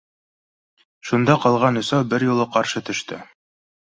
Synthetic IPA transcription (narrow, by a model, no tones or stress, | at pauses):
ʃund̪ɑqɑlˠʁɑnɵ̆sɑwbɘɾjulˠɤqɑɾʃɤt̪ɵ̆ʃt̪ɘ̰